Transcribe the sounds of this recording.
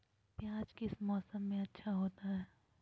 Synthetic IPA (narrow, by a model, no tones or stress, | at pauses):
pjaːd͡ʒkɪsmɔːsəmːẽɐtːʃʰaɦoːt̪aɦɛː